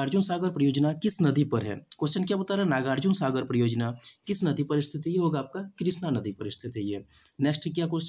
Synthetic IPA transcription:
aːɾd͡ʒʊnsaːɡəɾpɾɐjoːd͡ʒnakɪsnɐd̪ipɐɾɦɛ̰ːkoːst͡ʃənkjabɐt̪aɾɦɛnaːɡaːɾd͡ʒʊnsaːɡəɾpɾɐjoːd͡ʒnakɪsnɐd̪ipəɾɪst̪ʰɪt̪ijeɦoːɡaːp̚kakɾɪsnanɐd̪ipɐɾɪst̪ʰɪt̪ɦɛje | nɛːksʈɛkjakost͡ʃ

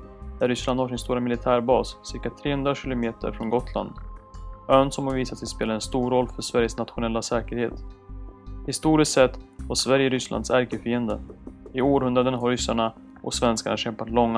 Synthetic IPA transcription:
d̪æɾʏsland̪haʂɪnst̪uːɾamɪlɪt̪ʰæːɾbɑːssɪɾkat̪ʰɾeːɵnd̪ɾaɕɪlʊmeːt̪ə̰ɾfɾɔnɡɔt̪ʰla̰nd̪ | œːnsɔmhaɾviːsat̪sɛspeːlad̪ɛnst̪uːɾɔlːfœʂvæɾjəsnat̪ɧʊnɛlːasɛːkəɾhḛːt̪ | hɪst̪uːɾɪst̪sɛt̪ːvaʂvæɾjəɾʏslʔa̰nd̪sæɾkəfiːənd̪əɪoːɾhɵnd̪ɾad̪ənaɦaɾːʏsːaɳa | ʔɔ̰ksvɛnskaɳa̰ɕɛmpat̪lɔŋːa

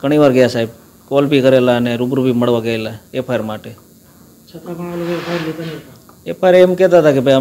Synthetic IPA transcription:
ɡ̥əɽ̃iʋaɾɡəjasaib̚ | kolbikəɾelaəneɾubɾubiməɽʋaɡəelaepʰajəɾmaʈe | t͡ʃʰət̪aalokepʰaɾlit̪anɦa | epʰaɾemkɛt̪aət̪ʰakebʱaja

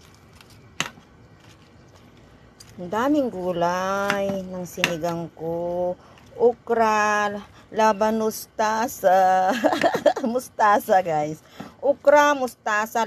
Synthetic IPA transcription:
nd̪aːmɪŋɡuːlajnɐŋsɪnɪɡaŋko | ʔʊkɾa | labanʊst̪asa | mʊst̪aːsaɡajs | ʔʊkɾamʊst̪aːsa

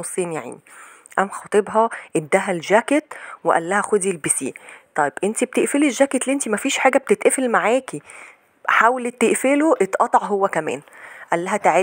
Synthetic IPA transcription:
osˤːiːnja̰ʕ̰ni | ʔæmxɑːt̪ˤebɦɑʔed̪ːæɦælʒæket̪weʔæ̰lːæhæxod̪ilbisḭːt̪ˤɑjebʔent̪ib̚t̪eʔfeliʒːæːket̪liʔent̪imæfiːʃħaːɡæb̚t̪et̪ʔefelmaʕaːki | ħaːwlt̪ːeʔfeloʔet̪ʔɑt̪ˤɑʕɦowːækæmæ̰ːnʔælːæɦæt̪aʕe

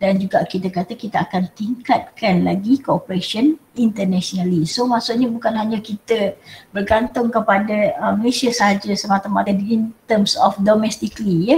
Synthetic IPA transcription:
dand͡ʒuɡaʔkit̪əkat̪əkit̪aakant̪iŋkat̪̚kanlaɡikoopəɾesiənint̪ərnasionalisomasuʔɲabukanɦaɲakit̪əbərɡant̪ʊŋkəpadəəməlesiasəɦad͡ʒasəmat̪amat̪aint̪əmsɔfdomɛst̪iklijə

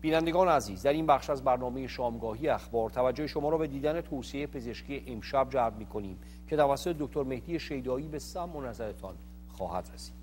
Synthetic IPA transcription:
b̥iːnænd̪e̞ɡɒːneæziːzd̪æɾiːnbæχʃæzbæɾnɒːme̞je̞ʃɒːmɡɒːhijeæxbɒːɾt̪ʰævæd͡ʒːoheʃo̞mɒːɾɒːbe̞d̪iːd̪æne̞t̪ʰoːsiejepʰe̞ze̞ʃkcʰiːjeʔemʃæbd͡ʒæɾbmiːkʰo̞niːm | cʰe̞t̪ʰævæsːo̞t̪ʰed̪ok̚t̪ʰo̞ɾme̞hd̪ije̞ʃe̞jd̪ɒːiːbe̞sæmːonæzæɾet̪ʰɒn | xɒ̰ːhæd̪ɾesi̥ːd̪̥

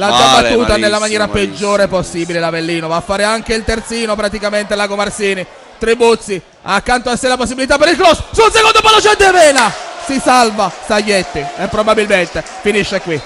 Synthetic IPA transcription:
lad͡ʒabat̪ːuːnt̪anelːamanjɛːɾaped͡ʒːoːɾeposːiːbilelavelːiːnovafːaːɾeaŋkeilt̪ert̪siːnopɾat̪ikament̪elakomarsiːni | t̪ɾibut̪sːi | akːant̪oasːejlaposːibilit̪apːeɾilklɔssunsekond̪opalot͡ʃɛd̪evɛːnasisalvast̪ajːet̪ːiepːɾobabilment̪e | finiʃːekwi

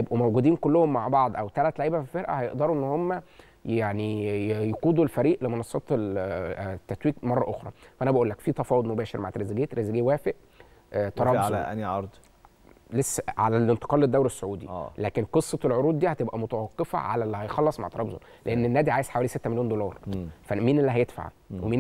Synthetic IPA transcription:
jebʔumæwɡud̪iːnkolːʊhomːaʕbɑʕd̪ˤʔæwt̪ælæt̪leʕiːbæfifeɾʔæ̰hæjeʔd̪ɑɾˤuʔenːhomːæ | jaʕnijequːd̪ulfæɾiːʔlemɑnɑsˤːɑ̰ːt̪l | t̪ːæt̪wiːkmɑrˤːɑʔoxɾˤɑ̰fæʔænæbæʔuːlːækfiːt̪ɑfɑːwod̪mobæːʃeɾmaʕt̪ɾezeɡeːt̪ɾezeɡeːwæːfeʔ | t̪ɑɾˤɑːblʔænɑɾˤd̪ˤ | lesːæʕalælent̪e̥qɑːlːed̪ːæwɾesːoʕuːd̪ḭʔːlæːkenqesˤːɑelʕoɾuːd̪̚ˤd̪iːhæt̪ebʔæmot̪æwɑqːefæ̰ʕa̰lælːihæjxɑlːɑsˤma̰ʕt̪ɑɾɑːbzo̰ | leʔenːenːæːd̪iʕaːjez̥ħawæːliset̪ːæmeljoːnd̪olɑːɾˤfæmiːnelːiɦæjed̪fa̰ʕ | wemiːn

